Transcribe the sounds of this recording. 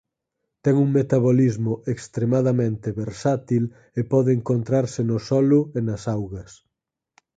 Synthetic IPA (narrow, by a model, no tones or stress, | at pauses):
t̪ɛŋuŋmet̪aβolizmʊʔekst̪ɾemaðɐmẽnt̪eβeɾsat̪il | epɔðeeːŋkont̪ɾaɾsɪnosɔlʊenɐsawɣɐs